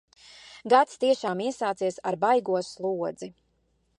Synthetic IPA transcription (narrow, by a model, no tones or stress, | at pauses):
ɡat̪st̪iɛʃaːmiɛsaːt̪siɛsaɾbajɡuɔslˠuɔd̪z̥i